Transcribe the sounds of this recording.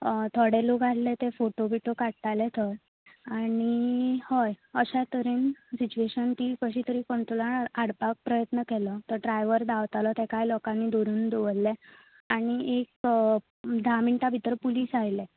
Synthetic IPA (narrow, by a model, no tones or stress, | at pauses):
t̪ʰɔɽeloɡʱallet̪efoʈobiʈokaɽʈalet̪ʰɔj | añihɔjəɕat̪əɾiːnsit͡ɕueɕənt̪iːkəɕit̪əɾiːkɔɳʈ̪olaaɽpak̚pɾəjət̪nəkɛlɔt̪əɾɖɾajʋəɾd̪aʋt̪alɔt̪ɛkajlɔkanːid̪oɾuːnd̪oʋəlːɛ | aɽ̃iʔek̚ | d̪ʱamiɳʈ̪abʱit̪əɾpuliːsajle